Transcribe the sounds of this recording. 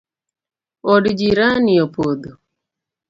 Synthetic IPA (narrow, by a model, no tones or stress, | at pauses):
odd͡ʒiɾaniopod̪o